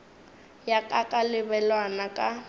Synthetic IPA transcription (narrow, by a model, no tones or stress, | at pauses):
jakʼakʼalɪbɛlwanakʼa